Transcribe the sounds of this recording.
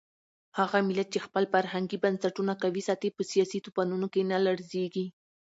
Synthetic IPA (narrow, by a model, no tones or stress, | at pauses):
haɣamɪlat̪̚t͡ʃexpəlfaɾhaŋɡibansaʈunakawisɑt̪epəsijɑsit̪upanunokenalaɽzeɡi